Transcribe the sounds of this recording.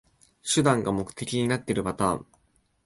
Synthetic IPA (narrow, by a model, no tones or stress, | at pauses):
ɕɨd̪ãŋɡamo̞kɯ̟̥t̪e̞kʲiɲ̟inat̪ːe̞ɾɯ̟bat̪a̰ːɴ